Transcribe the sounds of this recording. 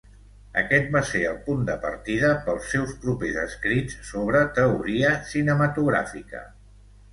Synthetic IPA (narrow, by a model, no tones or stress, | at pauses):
ə̰kɛt̪̚baseəlˠpund̪əpə̰ɾt̪iðəpəlˠsɛwspɾupezə̰skɾit͡ssoβ̞ɾət̪əuɾiəsinəmət̪uɣɾa̰fikə̰